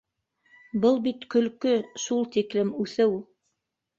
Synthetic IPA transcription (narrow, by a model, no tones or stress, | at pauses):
bɤlˠbit̪kɵ̆lkɵʃulˠt̪iklɘmʉθɘw